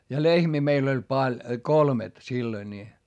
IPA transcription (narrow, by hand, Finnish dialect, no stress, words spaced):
jɑ lehmiː meil olʲ pɑlʲ kolmet silːoi nʲi